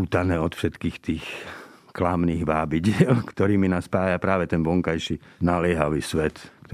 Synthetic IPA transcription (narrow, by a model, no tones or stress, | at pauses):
uːt̪anɛːɔt̪fʃɛt̪kiːxt̪iːx | klamniːɣʋaːbiɟɪɛlkt̪ɔɾiːminaːspaːjapɾaːʋɛt̪ɛnʋɔŋkajʃinalɪɛɦaʋiːsʋɛt̪kt̪